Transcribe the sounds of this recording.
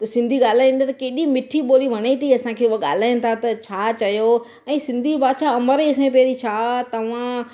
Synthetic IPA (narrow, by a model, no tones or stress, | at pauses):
t̪ɐsɪ̃nd̪ʱiɠaːl̤aːɪ̃nd̪at̪ɐkeːɗimɪʈʰiɓoːliʋ̤ʱɐɽ̃et̪ʰiɐsãkʰeːʊaɠa̰ːl̤aːɪñɪ̆t̪ʰat̪ɐt͡ɕʰaːt͡ɕɐjo | ɛ̃ːsɪ̃nd̪ʱibaːt͡ɕʰaɐməɾesẽpɛɾit͡ɕʰaːt̪ɐʋ̤ã